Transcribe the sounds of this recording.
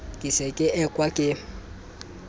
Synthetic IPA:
kʼɪsɛkʼɪʔɛkʼwakʼɪ

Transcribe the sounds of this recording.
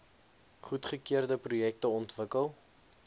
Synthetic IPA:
χutχəkiərdəprujɛk̚təɔntvəkəlˠ

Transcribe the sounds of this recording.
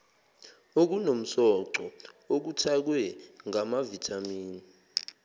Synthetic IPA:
ok̬unom̩sɔǀɔok̬utʰak̬wɛŋamavitʰamiːni

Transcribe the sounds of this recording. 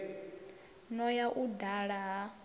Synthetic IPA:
nɔjaʔudaɺaɦa

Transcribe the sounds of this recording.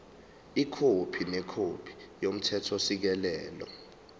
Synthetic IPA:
ikʰopʰinɛkʰopʰi̥jom̩tʰɛtʰɔsik̬ɛlɛːlɔ̰

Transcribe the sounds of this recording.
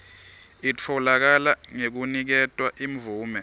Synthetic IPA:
it͡fʰɔlak̬alaŋek̬unik̬ɛtʼwaʔimvuːmɛ

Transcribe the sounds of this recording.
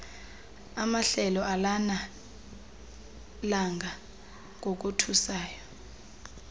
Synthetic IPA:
amaɬɛlɔʔalana | laŋɡʱa | k̬ok̬utʰusaːjɔ

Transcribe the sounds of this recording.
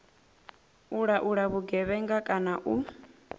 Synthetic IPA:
uɺaʔuɺaβuɡɛβɛŋɡakʼanaʔu

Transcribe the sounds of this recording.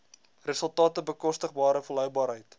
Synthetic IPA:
rəsəlˠtɑːtəbəkɔstəχbɑːɾəfəlɦœwbɑːɾɦəjt

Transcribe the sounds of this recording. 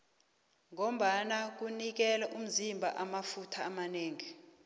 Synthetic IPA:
ŋom̩ɓanak̬unik̬ɛlaʔum̩zimbʱaʔamafutʰaːmaneːŋi

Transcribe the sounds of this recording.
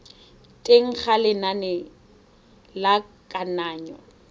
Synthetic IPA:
tʼeŋ̩k͡xalɪnanɛ | lakʼanaːɲɔ̰

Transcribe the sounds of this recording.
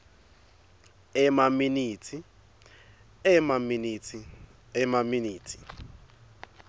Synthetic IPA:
ɛmaminiːtʰi | ɛmaminitʰi | ɛmaminiːtʰi̥

